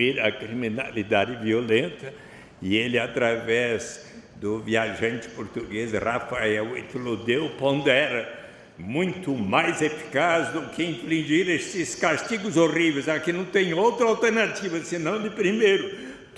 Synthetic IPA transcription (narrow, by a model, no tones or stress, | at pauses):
iɾɐkɾimina̰lid̪ad̪ɪviolẽnt̪ɐ | ɪelɪat̪ɾavɛz | d̪ʊviaʒɐ̃nt͡ʃɪ̥poɾt̪uɡesrafaɛwḛt̪lod̪ewpõnd̪ɛɾɐ | mũj̃t̪ʊmajzefi̥kazd̪ʊkɪĩflĩʒiɾesɪskast̪iɡʊzorivejzakɪnɐ̃w̃t̪ẽj̃owt̪ɾɐawt̪eɾnat̪ivɐsɪnɐ̃w̃d̪ɪpɾimejɾʊ